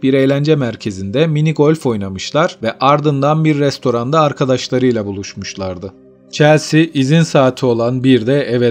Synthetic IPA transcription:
biɾe̞jlʲænd͡ʒɛmæɾcʰe̞zind̪ɛminiɡo̞lʲfo̞jnamɯʃlˠaɾvɛʔaɾd̪ɯnd̪anbiɾːɛst̪ʰo̞ɾand̪aːɾkʰad̪aʃlˠaɾɯjlˠabulˠuʃmuʃlˠaɾd̪ɯ | t͡ʃʰɛɾsiʔizinsaːt̪ʰio̞lˠanbiɾd̪ɛɛvɛ

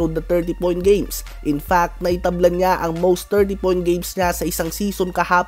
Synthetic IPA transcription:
od̪ɐt̪ɛɹt̪̬ipoj̃nt̪̚ɡẽjms | ʔɪnfak̚t̪̚nɐʔɪt̪ɐblɐnɲaʔɐŋmowst̪ːɛɹt̪̬ipojn̚ɡejmsɲasɐʔɪsaŋsiːsonkɐhaːp

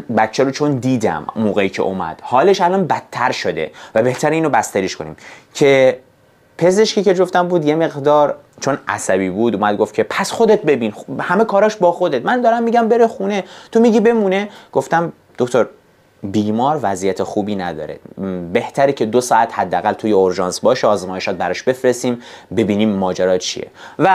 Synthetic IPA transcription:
bæt̪ːt͡ʃʰːæɾot͡ʃʰond̪iːd̪æ̰mmːoːɣeiːcʰḛʔo̰mæ̰d̪̥hɒːle̞ʃælɒːnbæt̪ʰːæɾʃod̪e̞̰væbe̞ht̪ʰæɾeiːnobæst̪æɾiʃkʰo̞nḭːmcʰe̞ | pʰe̞ze̞ʃkiced͡ʒoft̪æmbuːd̪je̞me̞ɣd̪ɒːɾ | t͡ʃʰo̞næ̰sæbiːbuːd̪uːmæd̪̚ɡofcʰepʰæsxo̞d̪et̪̚be̞biːnhæme̞kʰɒːɾɒːʃbɒːxo̞d̪et̪mænd̪ɒːɾæmːiːɟæmbe̞ɾexuːne̞t̪ʰomiɟiːbe̞muːne̞ɡ̥o̞ft̪æm | d̪̥o̞kt̪ʰoɾ | biːmɒːɾvæzijæt̪ʰexuːbiːnæd̪ɒ̰ːɾḛbe̞ht̪ʰæɾiːcʰe̞d̪osɒːæt̪hæd̪ːeæɣælt̪ʰuːjeoɾʒɒːnsbɒːʃeɒːzmɒːje̞ʃɒːt̪̚bæɾɒʃbe̞fɾesiːmbe̞biːniːmːɒːd͡ʒæɾɒːt͡ʃʰḭjḛvæ

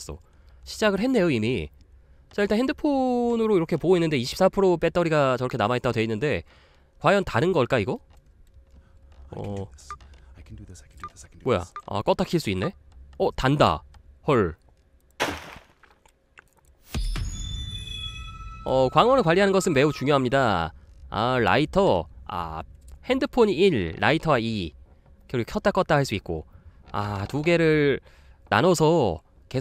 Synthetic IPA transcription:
s͈ʌ̰ | ɕʰi̥d͡ʑaɡɯɭɦe̞nːe̞joimi | t͡ɕaiɭt͈ahɦendɯpʰonɯɾoiɾʌkʰe̞poɡoinːɯnde̞iɕʰi̥ps͈apʰɯɾop͈e̞t͈ʰʌɾiɡat͡ɕʌɾʌkʰe̞namaet͈aɡtwe̞inːɯnde̞ | kwajʌntaɾɯnɡʌɭk͈aiɡʌ | ʌ̰ | moja̰a̰k͈ʌt͈ʰakʰiɭs͈uinːe̞ʌtanda̰hʌɭ | ʌkwaŋwʌnɯɭkwaʎːiɦanɯnɡʌsʰɯnme̞ut͡ɕuŋjoɦamɲida | a̰ɭa̰itʰʌa̰he̞ndɯpʰoɲiilːa̰itʰʌwai | kjʌɾkʰʌt͈ak͈ʌt͈ahaɭs͈uit̚k͈o̰a̰tuɡe̞ɾɯɭ | na̰nʌsʰʌ | ke̞

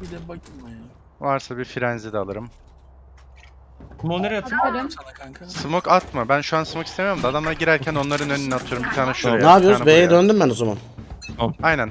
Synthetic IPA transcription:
bid̪ɛbakɯmaj | vaɾsabiɾfiɾɛnzid̪ɛalˠɯɾɯm | moneɾt̪ʰɯd̪ | sɯmokat̪mabænʃuansɯmokist̪emijo̞ɾumd̪ad̪amlˠaɾɯɟiɾæɾcʰæno̞nlˠaɾɯnøninat̪ʰɯjoɾumbit̪ʰaːnaʃuɾeaːbijoɾnzabejejɛd̪ønd̪ymbænozama̰n | ajnæn

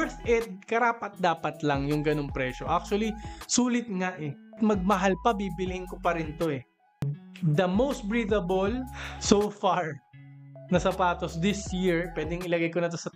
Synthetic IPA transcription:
ɹθʔɛt̪̚kɐɾaːpɐt̪̚d̪aːpɐt̪lɐŋjʊŋɡɐno̞ŋpɾɛʃo̞ʔak̚t͡ʃʊɐlisuːlɪt̪̚ŋaʔɛ | t̪̚mɐɡ̚mɐɦalpɐbiːbɪlɪhɪŋkopɐɾɪnt̪o̞ɛ | d̪ɐmowst̪̚bɹiːd̪ɐbolsowfaɹ | nɐsɐpaːt̪osd̪ɪsjiɹpwɛːd̪ɪŋɪlɐɡajkonɐt̪osɐ

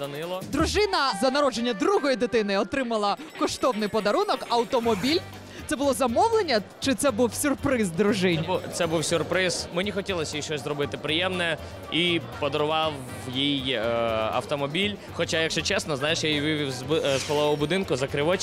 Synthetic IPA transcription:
ɐnɪlˠɔd̪ɾʊʒɪnɐzɐnɐɾɔd͡ʒenʲːɐd̪ɾuɦɔjid̪ɪt̪ɪnɪɔt̪ɾɪmɐlˠɐkɔʃt̪ɔwnɪjpɔd̪ɐɾunɔkɐwt̪ɔmɔbʲilʲ | t̪sɛbʊlˠɔzɐmɔwlˠenʲːɐt͡ʃɪt̪sɛbuwsʲʊrpɾɪzd̪ɾʊʒɪnʲt̪sɛbuwsʲʊrpɾɪz̥menʲixɔtʲilˠɔsʲɐjiʃt͡ʃɔsʲzɾɔbɪt̪ɪpɾɪjɛmnɛ | ipɔd̪ɔɾʊʋɑw | jij | ɐ̰wt̪ɔmɔbʲilʲ | xɔt͡ʃajɐkʃt͡ʃɔt͡ʃɛsnɔznɑjeʃjajʋɪʋʲiwzbsxɔlˠɔʋɔbʊd̪ɪnkʊzɐkɾɪʋɔt͡ʃ

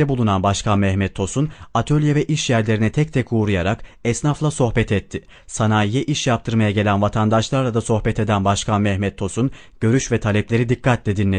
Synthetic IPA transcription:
ɛbulˠunanbaʃkʰanmɛhmɛt̪ʰːo̞sunat̪ʰølʲjevɛʔiʃjæɾlʲe̞ɾinɛt̪ʰɛc̚t̪ʰɛkuːɾujaɾakɛsnaflˠaso̞xbɛt̪ʰɛt̪ʰːɪ | sanaːijɛʔiʃjap̚t̪ʰɯɾmajaɟe̞lʲænvat̪ʰand̪aʃlˠaɾlad̪aso̞xbɛt̪ʰe̞d̪ænbaʃkʰanmɛhmɛt̪ʰːo̞sun | ɟ̥ø̞ɾyʃvɛt̪ʰalʲɛplʲe̞ɾid̪ikʰːat̪lʲɛd̪inlʲe

